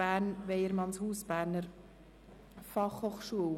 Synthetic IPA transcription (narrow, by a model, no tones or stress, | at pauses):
æːɾnʋeɪəɾmɑnshuːsb̥æːɾnəɾ | fɑχhoːχʃuəw